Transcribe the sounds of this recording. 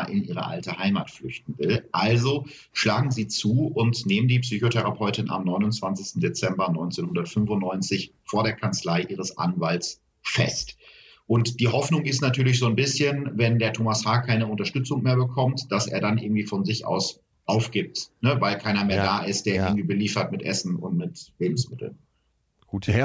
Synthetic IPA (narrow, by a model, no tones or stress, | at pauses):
ʔɪnʔiːʁ̞ə̰ʔa̰ltəhaɪmaːtflʏçt̚n̩vɪlʔalzo | ʃlaːɡŋ̩ziːt͡suːʔʊntneːməndiːpsyːçotʰɛʁapʰɔʏtɪnʔa̰mnɔʏnʊnt͡sv̥ant͡sɪçstn̩det͡sɛmbɐnɔʏnt͡senhʊndɐtfʏnfʊntnɔʏnt͡sɪçfoːɐɾeːɐkʰant͡slaɪʔiːʁ̞əsʔa̰nvalts | fɛ̰st | ʔʊntd̥iːɦɔfnʊŋɪstnatʰyːɐlɪçz̥oːnbɪsçənvɛndeːɐtʰoːmashaːkʰaɪnəʊntɐʃtʏt͡sʊŋmeːɐbəkʰɔmtd̥asʔḛːɐdanʔɪ̰ɐɡŋ̩tv̥iːfɔnzɪçʔa̰ʊs | ʔaʊfɡ̥ɪːp̚tnəvaɪlkʰaɪnɐmeːɐdaːʔɪst̚d̥eːɐʔɪɐɡŋ̩tv̥iːbəliːfɐtmɪtʔɛsn̩ʊ̰ntmɪtveːbm̩smɪtl̩n